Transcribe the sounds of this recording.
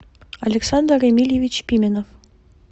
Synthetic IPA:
ɑlʲeksɑnd̪remʲilʲjevʲit͡ɕpʲimʲenof

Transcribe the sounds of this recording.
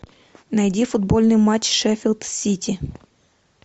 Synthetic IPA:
nɐjdʲifʊd̪bolʲnɨjmat͡ɕʂɛfʲɪlˠt̪sʲitʲɪ

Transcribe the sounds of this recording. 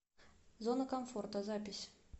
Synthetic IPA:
zonəkɐmfort̪əzapʲɪsʲ

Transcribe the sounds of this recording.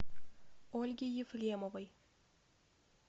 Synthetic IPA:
olʲɡʲejɪflʲemovəj

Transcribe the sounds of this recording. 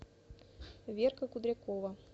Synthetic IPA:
vʲerkɐkud̪ɾʲakɔvɐ

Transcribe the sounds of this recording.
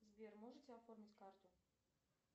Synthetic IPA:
zʲbʲɛrmɔʐɨt͡sʲɛafɔrmʲit͡sʲkart̪ʊ

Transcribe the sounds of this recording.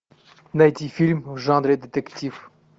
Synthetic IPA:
nɐjt̪ʲifʲilʲmvʐɑ̃nd̪ɾʲed̪ʲet̪ɛktʲif

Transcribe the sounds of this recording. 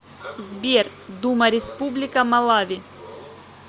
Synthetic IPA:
zbʲer | d̪umɐɾʲɪspublʲɪkɐmɐlˠavʲi

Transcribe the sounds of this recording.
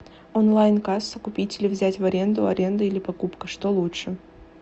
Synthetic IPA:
onlˠajnkasəkʊpʲitʲɪlʲɪvzʲætʲvɐɾʲe̞nd̪ʊɐ̰ɾʲe̞nd̪əilʲɪpɐkupkəʂt̪olˠutʂɨ

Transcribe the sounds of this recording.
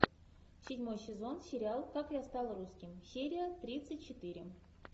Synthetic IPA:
sʲɪdʲmo̞jsʲɪzo̞nsʲɪɾʲalˠkakjast̪ɑlˠɾuskʲɪmsʲeɾʲɪjət̪ɾʲit̪sɨtʲt͡ɕɪt̪ɨɾʲɪ

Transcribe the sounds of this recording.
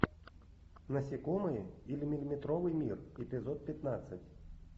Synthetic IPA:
nɐsʲikɔmɨjɛilʲimʲilʲimʲit̪ɾɔʋɨjmʲirɛpʲɪzɔt̪̚pʲat̪nat̪sːɐtʲ

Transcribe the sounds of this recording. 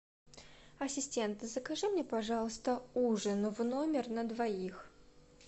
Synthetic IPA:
ɐsʲɪsʲtʲe̞nt̪ɨzəkɐʐɨmnʲepɐʐɑlˠəst̪əuʐɨnvnomʲɪrnəd̪vɐix

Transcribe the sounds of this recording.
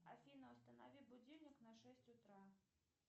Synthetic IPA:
afʲinɐwst̪ɐnavʲiwbud͡zʲiwnʲiknɐʂɛsʲt͡sʲut̪ɾa

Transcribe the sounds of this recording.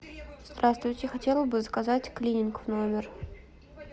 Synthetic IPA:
z̥d̪rast̪vʊjtʲɪxɐtʲelˠəbɨzəkazatʲklʲinʲɪnkvnomʲɪr

